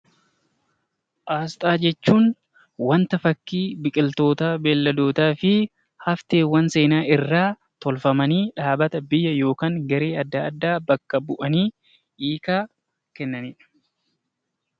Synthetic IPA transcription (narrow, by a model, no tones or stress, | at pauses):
ʔaːst̪ʼaːd͡ʒɛt͡ʃːuːn | wɐnt̪ɐfɐkːiːbɪkʼɪlt̪o̞ːt̪aːbeːlːɐd̪o̞ːt̪aːfɪ | hɐft̪eːwɐnse̞ːnaːʔɪrːaː | t̪ɔlfɐmɐniːᶑaːbɐt̪ɐbɪjːɐjo̞ːkaːŋɡɐɾeːɐd̪ːaːd̪ːaːbɐkːɐbʊʔɐniː | ʔiːkaː | kɛnːɐniːᶑɐ̥